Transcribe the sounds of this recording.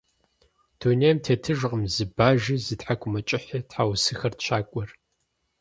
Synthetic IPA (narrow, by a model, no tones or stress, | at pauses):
d̥uneːjɐmtʰeːtʰɨʒʁəmzɨbaːʒizɨtħakʷʰʼʊmɐt͡ʃʼɪħitħaːwsɨxɐrtʃaːkʷʼɔr